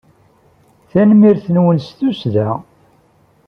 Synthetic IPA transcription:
θænmiɾθənwənst̪usðæ

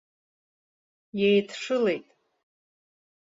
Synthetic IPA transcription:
jejtʰʂɨle̞jtʼ

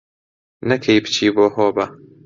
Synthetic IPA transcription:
nɐkʰejbɨt͡ʃʰiːboːɦoːbɐ

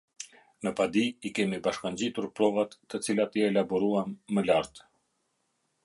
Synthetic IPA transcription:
nəpad̪iikɛmibaʃkaɲd͡ʑit̪uɾpɾɔvat̪ːət͡silat̪iɛlabɔɾuamːəlaɾt̪

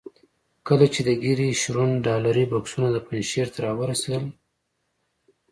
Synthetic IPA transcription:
kəlat͡ʃed̪əɡiɾiʃɾunɖɑlaɾibɑksunad̪əpanʃeɾt̪ʰaɾɑwəɾased̪əl

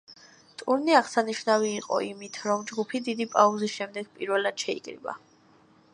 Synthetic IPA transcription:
t̪ʼuɾniaʁsaniʃvnaviːqʼɔ̰imit̪ʰɾɔmd͡ʒɡupʰid̪id̪ipʼauzisʃɛmd̪ɛɡpʼiɾvɛlad̪̥ʃɛḭkʼɾḭba̰

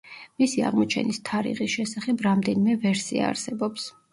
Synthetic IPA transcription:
misia̰ʁmɔt͡ʃʰɛ̰nist̪ʰaɾḭʁisʃɛsaχɛbɾamd̪ɛnimɛvɛɾsia̰ːɾsɛbɔps

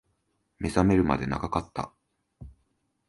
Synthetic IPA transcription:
me̞zame̞ɾɯ̟ma̰d̪e̞na̰ɡakat̪ːa̰

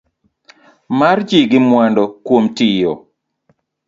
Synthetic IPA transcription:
mard͡ʒiɡɪmwandɔkwomtijɔ

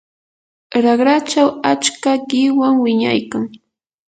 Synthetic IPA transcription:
ɾaɢɾat͡ʃawat͡ʃkaɢɪwaŋwɪɲa̰jkaŋ

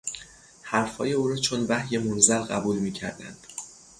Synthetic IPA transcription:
hæɾfhɒ̰ːje̞uːɾɒːt͡ʃʰonvæhje̞monzælɢæ̰buːlmiːcʰæ̰ɾd̪æ̰nd̪̥

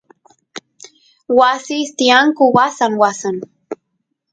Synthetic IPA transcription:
wasist̪iaŋkʊwasaŋwasan

